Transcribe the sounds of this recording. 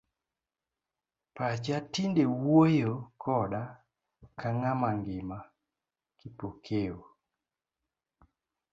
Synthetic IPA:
pat͡ʃatindewojokʰɔda | kaŋamaŋɡɪma | kipokʰeo

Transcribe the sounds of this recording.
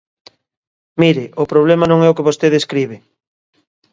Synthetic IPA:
miɾɪʔʊpɾoβ̞lɛmanõŋɛʊkeβost̪eðeskɾiβɪ

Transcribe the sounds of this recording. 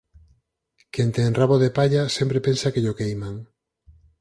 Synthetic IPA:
kent̪enraβoðepaʎasempɾepensakeʎokejmaŋ

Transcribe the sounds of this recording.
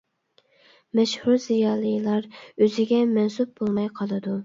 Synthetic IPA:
mɛʃhuɾzijɑːlˠɨjlˠɑɾøzɪɡʲɛmɛnsup̚bolˠmɑjqʰɑlˠɨd̪u

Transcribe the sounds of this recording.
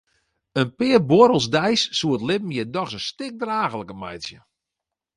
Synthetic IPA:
ənpɪərboɾəlˠsdɛjsːuətlɪp̚m̩jɪdɔxsəstɪk̚draːɣəlˠəkəmɛ̰jtsjə

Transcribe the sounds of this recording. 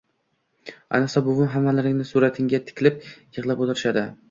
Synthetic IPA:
a̰nɨqsɒbʊvʊnɦamːalɪɾɪŋnɪsuɾat̪ʰɪŋɡʲat̪ʰɪ̥kʲlɪp̚jɨʁlˠapot̪ʰɪɾɪʃad̪ɪ

